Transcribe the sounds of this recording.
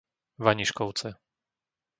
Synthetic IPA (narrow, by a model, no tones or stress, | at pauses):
ʋaɲiʃkɔʊt͡sɛ